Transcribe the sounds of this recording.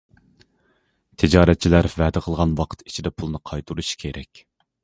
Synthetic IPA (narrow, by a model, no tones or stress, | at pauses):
t̪ʰɪd͡ʒɑːɾɛt̪̚t͡ʃʰilæɾvɛːd̪ɪqʰəlˠʁɑnwɑqʰə̥t̪i̥t͡ʃʰid̪ɛpʰulˠnɨqʰɑjt̪ʰuɾuʃkʲʰeɾʔɛkʲ